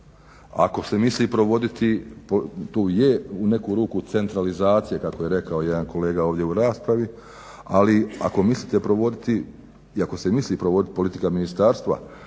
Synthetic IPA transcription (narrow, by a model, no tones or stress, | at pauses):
a̰ko̞se̞misliːpɾo̞ʋo̞d̪it̪ipot̪oːjeune̞kuːɾuːkut̪se̞nt̪ɾalizaːt̪sije̞kakoje̞ɾe̞kao̞je̞d̪anko̞le̞ːɡao̞ːʋd̪ʲje̞uɾaːspɾaʋi | alia̰ko̞misliːt̪epɾo̞ʋo̞d̪it̪i | iako̞se̞misliːpɾoʋo̞d̪it̪i̥po̞lit̪ikaminist̪aːɾst̪ʋa̰